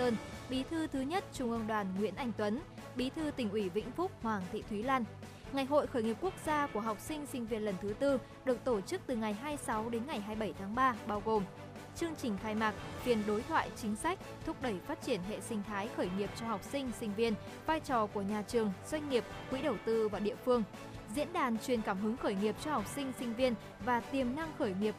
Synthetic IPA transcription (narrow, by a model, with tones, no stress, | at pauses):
t̪əː˧nɓi˨˦t̪ʰɨ˧t̪ʰɨ˨˦ɲə˦˥t̚t͡ɕʊ˧˩ŋ͡mʔə˧ŋɗwaː˨˩nŋwḭ˧˥ənʔa˧˩jŋ̟t̪wə˨˦nɓi˨˦t̪ʰɨ˧t̪ï˨˩ŋ̟ʔwi˧˩vḭ˧˥ŋ̟fʊ˦˥k͡p̚hwaː˨˩ŋt̪ʰḭ˧˨t̪ʰwi˨˦laː˧n | ŋa˨˩jɦo̰˧˨jxəː˧˩jŋi˨˩əp̚ku˦˥ək̚zaː˧ku˧˩əɦa˨˩wk͡p̚sï˧ŋ̟sï˧ŋ̟vi˧ənlə˨˩nt̪ʰɨ˨˦t̪ɨ˧ | ɗɨ˨˩ək̚t̪o˧˩t͡ɕɨ˦˥k̚t̪ɨ˨˩ŋa˨˩jɦaː˧jsa˨˦wɗe˨˦nŋa˨˩jɦaː˧jɓə˧˩jt̪ʰaː˨˦ŋɓaː˧ɓaː˧wɣo˨˩m | t͡ɕɨ˧əŋt͡ɕï˨˩ŋ̟xaː˧jmaː˨˩t̚fi˨˩ənɗo˨˦jt̪ʰwa̰ː˧˨jt͡ɕï˨˦ŋ̟sa˦˥jk̟̚t̪ʰu˦˥ək͡p̚ɗə˧˩jfaː˦˥t̚t͡ɕi˧˩ənɦḛ˧˨sï˧ŋ̟t̪ʰaː˨˦jxəː˧˩jŋi˨˩əp̚t͡ɕɔ˧ha˨˩wk͡p̚sï˧ŋ̟sï˧ŋ̟vi˧ən | vaː˧jt͡ɕɔ˨˩ku˧˩əɲaː˨˩t͡ɕɨ˨˩əŋz̥wa˧jŋ̟ŋi˨˩əp̚kwḭ˧˥ɗə˨˩wt̪ɨ˧vaː˨˩ɗḭ˧˨əfɨ˧əŋ | zḭ˧˥ənɗaː˨˩nt͡ɕwi˨˩ənkaː˧˩mɦɨ˨˦ŋxəː˧˩jŋi˨˩əp̚t͡ɕɔ˧ha˨˩wk͡p̚sï˧ŋ̟sï˧ŋ̟vi˧ən | vaː˨˩t̪i˨˩əmna˧ŋxəː˧˩jŋi˨˩əp̚